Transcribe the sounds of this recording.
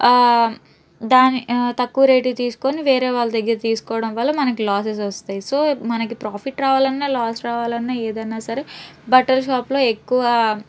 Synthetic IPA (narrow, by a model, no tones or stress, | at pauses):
d̪aːnit̪ɐkːuːɾeːʈit̪iːsu̥ko̞niʋeːɾeːʋaːɭːɐd̪ɐɡːɐɾɐt̪iːsu̥kɔːʋɐɽɐmʋɐlːɐmɐnɐkilaːs̬es̬ʋɐst̪aːjiso̞ːmɐnɐkipɾaːpʰiʈɾaːʋaːlɐnːaːlaːsɾaːʋaːlɐnːaːeːd̪ɐnːaːsɐɾebɐʈɐlʃaːplo̞ːekːuʋɐ